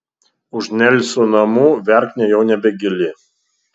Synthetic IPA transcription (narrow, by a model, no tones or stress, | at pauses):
ʊʒnʲɛlʲsʲunɐmuːʋʲɛɾʲkʲnʲɛjɛʊnʲɛbʲɛɡʲɪlʲɪ